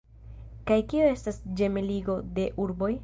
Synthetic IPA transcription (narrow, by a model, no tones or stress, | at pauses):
kajkioe̞stasd͡ʒe̞meliɡo̞de̞ʔuɾbo̞j